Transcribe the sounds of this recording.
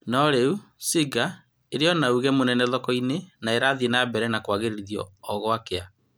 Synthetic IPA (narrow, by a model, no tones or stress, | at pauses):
nɔɾeusiɡa | eɾeɔnauɣɛmonɛnɛðɔkɔinenaeɾaːðienabɛɾɛnakwaɣeɾeɾiðiɔ̰ːɣɔakea